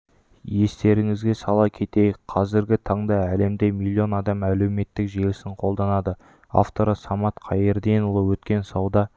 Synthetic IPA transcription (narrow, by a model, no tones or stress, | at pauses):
je̞st̪e̞ɾɪŋɪzɡʲe̞sɑlˠɑkʲʰe̞t̪e̞jqʰɑzɪɾɡʲɪt̪ʰɑɴd̪ɑæle̞md̪e̞milʲːio̞nɑd̪ɑmæle̞wme̞t̪ːɪkʒe̞lɪsɪɴqʰo̞lˠd̪ɑnɑd̪ə | a̰ft̪o̞ɾəsɑmɑt̪qʰɑjeɾd̪enʊlˠəwɵt̪kʲe̞nsɑwd̪ɑ